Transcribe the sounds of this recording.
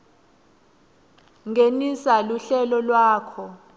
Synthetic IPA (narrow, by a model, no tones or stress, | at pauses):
ŋʱenisaluɬɛlɔlwaːkʰɔ